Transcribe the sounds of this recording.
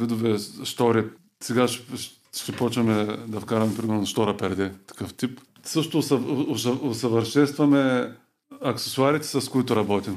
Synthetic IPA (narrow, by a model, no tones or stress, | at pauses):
vid̪ʊvɛst̪ɔɾi | sɛɡaʃ | ʃt̪ɛpɔt͡ʃvɐmɛd̪ɐfkaɾɐmɛpɾimɛɾnonsʃt̪ɔɾɐpɛɾd̪ɛt̪ɐ̥kɤft̪ip | sɤʃt̪ʊsɐosɐosɐvɐɾʃɛnst̪vɐmɛ | ɐksɛ̥sʊaɾit̪ɛ̥sɐskoit̪ʊɾɐbɔt̪im